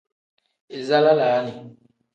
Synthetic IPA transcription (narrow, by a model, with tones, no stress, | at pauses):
e˨za˦la˦la˨˦ni˨